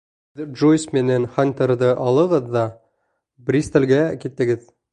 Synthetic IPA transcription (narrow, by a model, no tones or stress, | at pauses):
ɘðʒojsmɘ̆nænχanʲt̪eɾd̪ɤʔɑlˠɤ̆ʁɤðːɑ | brʲist̪ĕlɡækit̪ːɘ̆ɡɘð